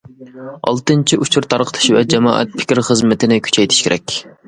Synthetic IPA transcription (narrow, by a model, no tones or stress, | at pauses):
ɑ̰lˠt̪ɨnt͡ʃʰiʔut͡ʃʰuɾt̪ʰɑɾqʰə̥t̪ʰɨ̥ʃvɛd͡ʒɛmɑ̰ːʔɛ̰t̪̚pʰɪ̥kʲiɾχəzmɪt̪ʰɪnɪkʲʰy̥t͡ʃʰɛjt̪ʰɪ̥ʃkʲeɾʔɛkʲ